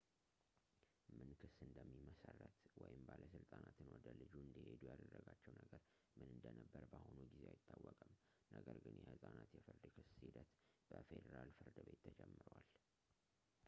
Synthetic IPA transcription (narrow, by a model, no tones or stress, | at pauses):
mɨnkʰɨsɨnd̪əmːiməsərːət̪wɔjɪmbaləsɨlt̪ʼanat̪ʰɨnwɔd̪əlɨd͡ʒuɨnd̪əhe̞d̪ujad̪ərːəɡat͡ʃːɛwnəɡəɾ | mɨnɨnd̪ənəbːəɾbahonuɡizeajɪt̪ʰʼːawːɔkʼəm | nəɡəɾɡɨnjɛhɨt̪ʼanat̪jɛfɨɾd̪kʰɨsid̪ət̪b̥əfed̪əɾalfɨɾd̪ɨbe̞t̪ʰːəd͡ʒɛmːɨɾwal